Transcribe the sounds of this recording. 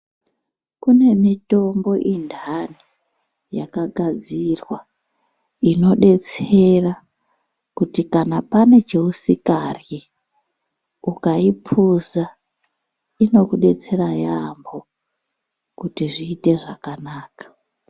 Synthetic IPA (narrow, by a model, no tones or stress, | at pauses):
kune̞mito̞mbo̞ʔindʱani | ja̰kaɡʱad͡zirwa | ino̞ɗe̞t͡se̞ra | kutikanapane̞t͡ʃeusikari | ukaipʰuza | ino̞kuɗe̞t͡se̞rajambo̞ | kutiʐiːte̞ʐakanaːkḁ